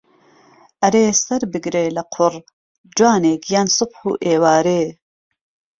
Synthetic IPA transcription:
ʔɐɾeːsɐɾbɨɡɾeːlɐqʰʊr | d͡ʒwaːnekjaːnsɨbħṵːʔeːwaːɾeː

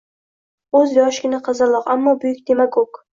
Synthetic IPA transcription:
ɵzjɒʃɡʲɪnaqʰɑzɑɾlˠɒqamːɒbʊjʊk̚ʲd̪e̞makʲok

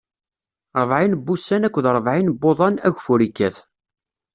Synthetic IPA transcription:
ɾˤəvʕinbːusːænækʷːðɾˤəvʕinbːoðˤɑnæʝfuɾikːæθ

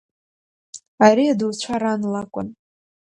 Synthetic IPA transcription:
aɾiaduwt͡ɕʷʰaɾanlakʷʼʊ̰n

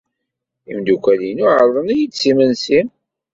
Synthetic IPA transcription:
ḭmd̪ukʷælinuʕəɾˤðˤənijisimənsim

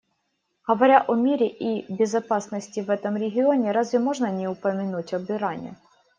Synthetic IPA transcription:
ɦɐʋɐɾʲaʔɔmʲiɾʲɪʔibʲɪzɐpɑsnɔsʲtʲiʋɛt̪ɔmɾʲeɦʲɪɔnʲɛɾɑzʋʲɪmɔʐnɐnʲɛʊpɐmʲɪnutʲɔbɪɾɑnʲɛ̰

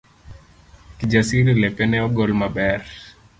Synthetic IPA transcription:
kid͡ʒasiɾilɛpɛnɛɔɡɔlmabɛr

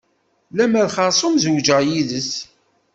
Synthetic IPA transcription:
læmæðχɑɾˤsˤomzəwd͡ʒəjiðəs

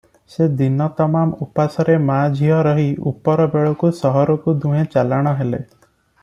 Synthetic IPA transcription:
sed̪inɔt̪ɔmamupasɔɾemad͡ʒʱiɦɔɾɔɦiṵpɔɾɔbeɭɔkusɔɦɔɾɔkud̪uɦẽt͡ʃalaɽ̃ɔɦele

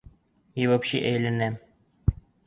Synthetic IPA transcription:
jɘ̆βæpɕiʔæjlænæm

